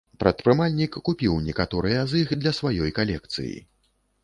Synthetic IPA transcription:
pɾɐt̪pɾɨmalʲnʲikːupʲiwnʲɛkat̪ɔɾɨjɐzɨxd̪lʲɐsvajɔjkalʲɛk̚t̪sɨ̰jḭ

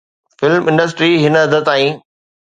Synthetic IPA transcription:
fɪlmʔɪ̃ɳɖəs̬ʈɾiɦɪnəɐd̪ʱət̪aːĩː

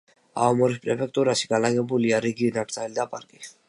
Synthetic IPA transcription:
a̰ɔmɔɾispʼɾɛpʰɛk̚ʰʼt̪ʼuɾaʃi̥ɡ̥anaɡɛbuliaɾiɡinakɾʰʼalid̪apʼaɾkʼi

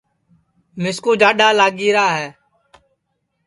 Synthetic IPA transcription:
mɪskuːd͡ʒaːɗaːlaːɡiːɾaːɦɛː

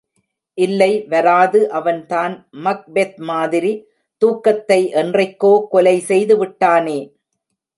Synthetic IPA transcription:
ʔɪlːɐɪʋɐɾaːðɯʔɐʋɐnt̪aːnmɐk̚bet̪̚maːðɪɾi | t̪uːkːɐt̪ːɐɪʔɛndrɐɪkːoːkɔlɐɪsɛjðɯʋɪʈːaːneː

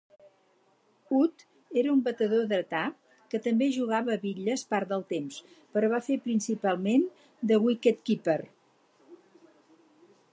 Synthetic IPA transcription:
ut̪ | eɾəumbət̪əðoðɾət̪a | kət̪əmbeʒuɣaβəːβiʎəspaɾt̪d̪əlˠt̪ems | pəɾɔβafepɾinsipalˠmen | d̪əɣwikɛt̪kipər

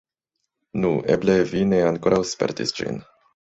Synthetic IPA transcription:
nuʔeblevineaŋkoɾʔawspḛɾt̪ḭsd͡ʒḭn

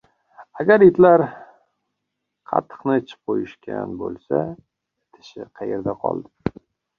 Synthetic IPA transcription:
aɡʲaɾɪt̪laɾ | qʰɑ̰t̪ʰːɨ̥qnɪt͡ʃʰɪ̥p̚qʰojɪʃkʲʰa̰nbolˠsa̰ | t̪ʰɪ̥ʃɪqʰɑjḛɾd̪aqʰɒ̰lˠd̪ɪ

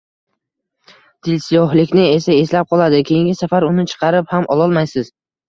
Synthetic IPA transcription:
d̪̥ɪlsɪjɒɦlɪkʲnɪe̞sae̞slap̚qʰɒlˠad̪ɪkʲʰejɪŋɡʲɪsafaɾʊnɪt͡ʃʰɨ̥qʰɑɾɪphamʔɒlˠɒlˠmajsɪz

